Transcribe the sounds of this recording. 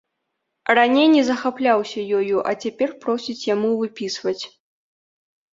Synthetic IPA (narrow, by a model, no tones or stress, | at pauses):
ranʲejnʲɛzɐxaplʲawsʲɐjɔjuʔɐ̰t͡sʲapʲɛrpɾɔsʲit͡sʲjamuvɨpʲisvɐt͡sʲ